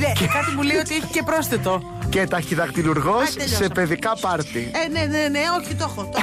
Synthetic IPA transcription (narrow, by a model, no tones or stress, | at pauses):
ecekɐt̪imulejot̪ieçi̥cepɾo̞sθet̪o̞ | cet̪ɐçiðɐkt̪iluɾɣossepe̞ðikɐpɐɾt̪ieneneneoçit̪oxo